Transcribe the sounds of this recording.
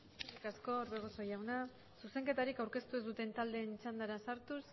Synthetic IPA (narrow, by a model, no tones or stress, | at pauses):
eɾikasko̞ɾβeɣoso̞jawna | suse̞ŋke̞t̪aɾikawɾke̞st̪ue̞zðut̪e̞nt̪ald̪e̞ːnisand̪aɾasaɾt̪us